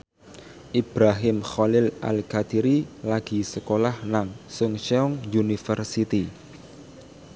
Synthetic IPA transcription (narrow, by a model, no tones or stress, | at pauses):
ʔib̥ɾaɦɪmxɔlɪlʔa̰lkat̪iɾilaɡ̥i̤səkolahnaŋsʊŋʃɛɔŋjunifərsit̪i